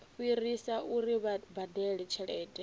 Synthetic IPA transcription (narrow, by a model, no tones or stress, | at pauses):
ɸuirisauɾibad̪ɛɺɛt͡ʃʰɛɺɛːtʼɛ